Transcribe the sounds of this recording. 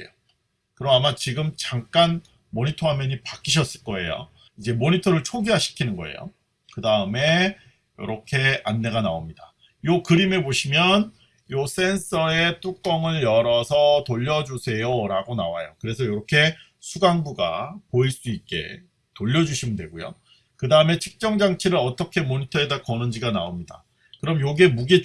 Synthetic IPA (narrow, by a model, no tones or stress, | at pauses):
ḛjo | kɯɾʌmamat͡ɕiɡɯmt͡ɕaŋk͈an | moɲitʰoɦamjʌɲipak͈iɕ̬ʰʌs͈ɯɭk͈ʌe̞̰jo̰ | id͡ʑe̞moɲitʰʌɾɯɭt͡ɕʰoɡiɦaɕʰi̥kʰinɯnɡʌ̰ḛjo̰ | kɯdaɯme̞ | jʌ̰ɾʌkʰe̞anːe̞ɡanaomɲida | jokɯɾimeboɕʰimjʌn | jos͈e̞ns͈ʰʌe̞t͈uk̚k͈ʌŋɯɭjʌɾʌsʰʌtoʎːʌd͡ʑusʰe̞joɾaɡonawajo̰kɯɾe̞sʰʌjoɾʌkʰe̞ | sʰuɡaŋbuɡa̰poiɭs͈uit̚k͈e̞̰ | toʎːʌd͡ʑuɕʰimɯndwe̞ɡojo̰ | kɯdaɯme̞t͡ɕʰɯk̚t͡ɕ͈ʌŋd͡ʑaŋt͡ɕʰiɾɯɾʌt͈ʌkʰe̞moɲitʰʌedak͈ʌnɯnd͡ʑiɡanaomɲida̰ | kɯɾʌmjoɡe̞muɡe